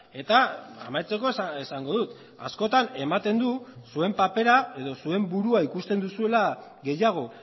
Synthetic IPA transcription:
e̞t̪aa̰majt͡se̞ko̞sesaŋɡo̞ðut̪ | a̰sko̞t̪ane̞mat̪e̞nd̪usue̞mpape̞ɾae̞ðo̞sue̞mbuɾuaikust̪e̞nd̪usue̞laɣe̞jaɣ̞o̞

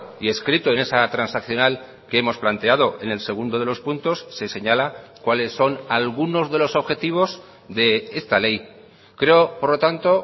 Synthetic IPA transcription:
ie̞skɾit̪oene̞sat̪ɾansakθjo̞nal | keemo̞splant̪e̞að̞o̞ʔe̞ne̞lse̞ɣ̞und̪o̞ðelo̞spunt̪o̞sːe̞se̞ɲalakwale̞sːo̞nalɣuno̞zðe̞lo̞so̞βxe̞t̪iβ̞o̞z | ðe̞e̞st̪ale̞j | kɾe̞opo̞ɾlo̞t̪ant̪o̞

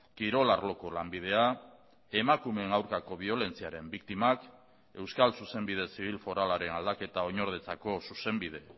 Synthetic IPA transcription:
kiɾo̞laɾlo̞ko̞lambið̞e̞a | e̞makume̞ŋawɾkako̞β̞io̞le̞nt͡siaɾe̞mbik̚t̪imak | e̞wskalsuse̞mbið̞e̞siβ̞ilfo̞ɾalaɾe̞nald̪ake̞t̪ao̞ɲo̞ɾð̞et͡sako̞suse̞mbið̞e̞

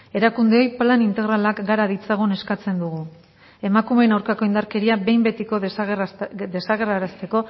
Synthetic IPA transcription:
e̞ɾakund̪eo̞jplanint̪e̞ɣɾalakɡaɾaðit͡saɣ̞une̞skat͡se̞nd̪uɣ̞u | e̞makume̞nawɾkako̞ind̪aɾke̞ɾiaβe̞jmbe̞t̪iko̞ | d̪e̞saɣe̞ɾaɾast̪e̞ko̞

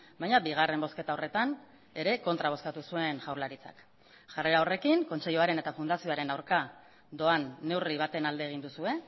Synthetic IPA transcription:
bajɲabiɣ̞are̞mbo̞ske̞t̪ao̞re̞t̪an | e̞ɾe̞ko̞nt̪ɾaβo̞skat̪usue̞nʝawɾlaɾit͡sa̰k | ʝare̞ɾao̞re̞kiŋko̞nt͡se̞ʎuaɾe̞ne̞t̪afund̪asio̞aɾe̞nawɾka | d̪o̞anːe̞wriβ̞at̪e̞nald̪eːɣ̞ind̪usue̞

